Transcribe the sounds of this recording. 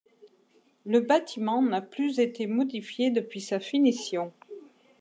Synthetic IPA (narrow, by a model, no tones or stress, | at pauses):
ləbat̪ʰimɑ̃naplyzet̪emɔd̪ifjed̪əpɥisafinisjɔ̃